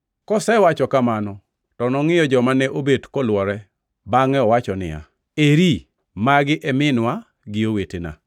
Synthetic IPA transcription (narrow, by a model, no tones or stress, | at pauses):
kɔsɛwat͡ʃɔkamanɔ | tɔnɔŋɪjɔd͡ʒɔmanɛʔobedkɔlwɔɾɛ | baŋɛɔwat͡ʃɔnɪ̰ja̰ | eɾi | maɡɪʔɛmɪnwa | ɡɪowetena̰